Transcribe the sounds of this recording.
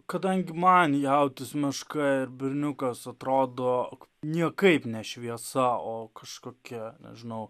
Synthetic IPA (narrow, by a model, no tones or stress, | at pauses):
kɐd̪ɐŋʲɡʲɪmɐnjɛʊt̪ʲɪsmʲɪʃkɐɪɾbʲɪɾʲnʲʊkɐsɐt̪ɾoːd̪oːnʲiɛkɐɪpnʲɛʃʲʋʲiɛsɐoːkɐʃkoːkʲɛnʲɛ̰ʒʲɪnɐʊ